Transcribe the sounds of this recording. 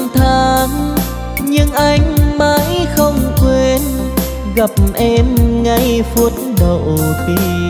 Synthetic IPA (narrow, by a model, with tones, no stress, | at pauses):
ŋt̪ʰaː˧m | ɲɨ˧ŋʔa˧jŋ̟ma˧˦jxə˧wŋ͡mkwe˧n | ɣa˨˩p̚ʔɛ˧mŋa˧jfu˧˦ət̚ | ɗə˨wti˧˦